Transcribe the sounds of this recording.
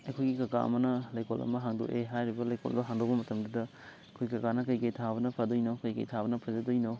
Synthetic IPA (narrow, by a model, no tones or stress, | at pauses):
ɐjkʰojɡikaɡa̰ɐ̰mɐnɐlajkolɐ̰mɐɦaŋdṵʔeɦajɾibɐlajkʰo̰l̰bɐɦaŋdɔk̚bɐmɐtɐmdɐdɐ | ɐjkʰojɡikɐkanɐkɐjkɐjtʰabɐnɐpʰadojnokɐjkɐ̰jtʰabɐnɐpʰazadɔjno